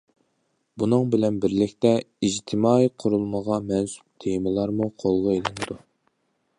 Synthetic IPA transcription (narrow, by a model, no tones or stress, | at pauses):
bunɨŋbɪlɛnbɪɾlɪkʲt̪ɛ | id͡ʒt̪ʰɪmɑːiqʰʊɾulˠməʁɑmɛnsu̥p̚t̪ʰejmɨlˠɑɾmuqʰolˠʁəelɪnɪd̪u